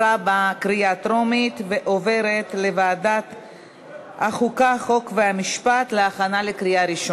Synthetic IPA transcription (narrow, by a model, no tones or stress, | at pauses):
abakɾiat̪ɾomit̪ve̞ʔove̞ɾet̪le̞vaːdat̪ | haχukaχo̞kveamiʃpat̪leaχanalekɾiaɾiʃo